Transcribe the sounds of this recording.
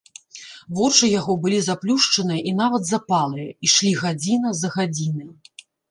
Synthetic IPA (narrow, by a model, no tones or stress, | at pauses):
vɔrʂɨjaɣɔbɨlʲizaplʲuʂt͡ʂɐnɨjɐʔinavɐd̪zapalˠɨjɐiʂlʲiɣad͡zʲinɐzɐɣad͡zʲinɨ